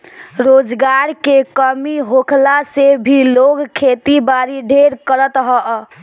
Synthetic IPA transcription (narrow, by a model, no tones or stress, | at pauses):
ɾod͡ʒɡaɾkekəmiɦokʰlasebʱiloɡkʰet̪ibaɾiɖʱeɾkəɾət̪ɦɔ